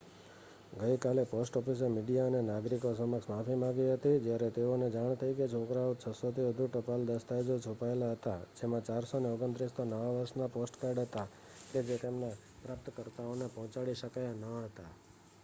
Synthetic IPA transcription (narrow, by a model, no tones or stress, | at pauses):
ɡəjkaleposʈɔpis̬emiɖijaənenaɡɾikosəməksmafʰimãɡiɦət̪id͡ʒjaɾɛt̪eoned͡ʒaɳ̃t̪ʰəiket͡ʃʰokɾaot͡ʃʰəsot̪ʰiʋəd̪ʱuʈəpald̪əst̪ajd͡ʒot͡ʃʰupaelaɦət̪ad͡ʒemãt͡ʃaɾsoneoɡənt̪ɾist̪onəʋaʋəɾʃnaposʈkaɾɖɦət̪a | ked͡ʒet̪emna | pɾap̚t̪kəɾt̪aonepɔɦɔ̃t͡ʃaɽiʃəkajanəɦət̪a